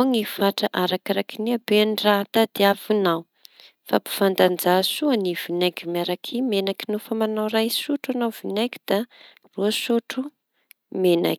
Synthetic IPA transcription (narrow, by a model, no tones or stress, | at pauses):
ŋifaʈ͡ʂaʔaɾakaɾakiniabeanrat̪ad̪̥eavunaw | fapu̥fand̪and͡zasuanivinakimiaɾakʰimenakinufəmanawrajsuʈ͡ʂanavinaki̥d̪̥a | ruasuʈ͡ʂu | mena̰k